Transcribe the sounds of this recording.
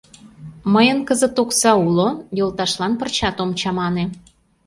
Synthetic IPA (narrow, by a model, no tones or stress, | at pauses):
məjənkəzə̆t̪oksɑulojəlt̪ɑʃlɑnpərt͡ɕɑt̪omt͡ɕɑmɑne